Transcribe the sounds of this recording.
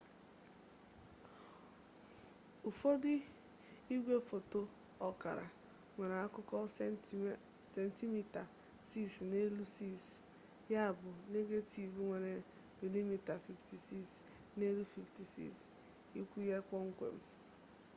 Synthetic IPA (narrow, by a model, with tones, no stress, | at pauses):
u˨fo˦dɪ˦ | i˦ɡʷe˦fo˨to˦ | ɔ˨ka̰˨ɾa̰˨ | ŋʷe˨na˨a˦kʊ˦kɔ˦ | se˨n˨ti˦mi˨ta˨ | si˦sne˦lu˦si˦˨s | ja˦˨bʊ˨ne˦ɡe˦ti˨vu˨ŋʷe˨ne˨ | mi˨li˦mi˨ta˨fi˨fti˨si˦s | ne˦lu˦fi˨fti˨sḭ˦˨s | i˦kʷu˦je˦kʷɔ˦ŋ̩˦kʷḛ˨m̩˦